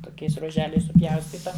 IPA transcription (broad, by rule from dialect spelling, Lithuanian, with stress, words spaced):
toːˈkʲɛɪs ruɔˈʒʲæːlʲɛɪs sʊˈpʲjɛʊsʲtʲiːtɐ